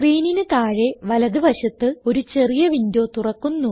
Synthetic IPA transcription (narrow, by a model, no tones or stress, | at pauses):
riːninɨt̪aːɻe̞ʋɐlɐðɨbʱɐɕɐt̪ːɨo̞ɾut͡ɕe̞rijɐʋind̪jo̞ːt̪urɐkːunːu